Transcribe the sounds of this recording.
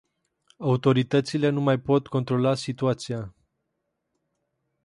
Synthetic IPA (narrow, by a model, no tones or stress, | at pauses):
aut̪o̞ɾit̪ət̪sile̞numajpo̞t̪ko̞nt̪ɾo̞lasit̪uat̪sia